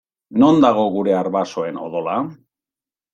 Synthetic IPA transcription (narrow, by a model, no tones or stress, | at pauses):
no̞nd̪aɣ̞o̞ɣuɾe̞aɾβaso̞e̞no̞̰ðo̞la